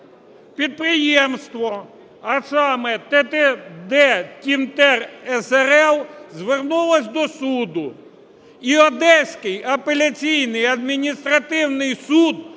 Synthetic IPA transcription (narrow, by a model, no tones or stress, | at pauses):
pʲid̪̚pɾɪjemst̪ʋɔ | ɐsɑmɛt̪ɛt̪ɛd̪ɛtʲimt̪ɛrɛsɛɾɛlˠzʋernulˠɐsʲd̪ɔsud̪ʊ | iɔd̪ɛsʲkɪjɐpelʲɐt͡sʲijnɪjɐd̪̚mʲinʲist̪ɾɐt̪ɪwnɪjsud̪